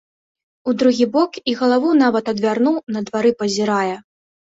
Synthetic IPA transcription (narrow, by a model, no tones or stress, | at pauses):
ud̪ɾuɣʲibɔkiɣɐlˠavuwn̪avɐt̪ɐd̪vʲarnuwnɐd̪vaɾɨpɐzʲiɾajɛ